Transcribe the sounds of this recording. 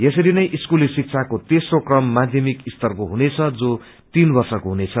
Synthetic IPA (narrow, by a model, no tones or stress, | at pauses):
jesʌɾinʌjʔiskulisik̚t͡sʰakot̪esrokrʌmːad̪ʱjʌmikist̪ʌrkoɦunet͡sʰʌd͡zo | t̪inbʌrsʌkoɦunet͡sʰʌ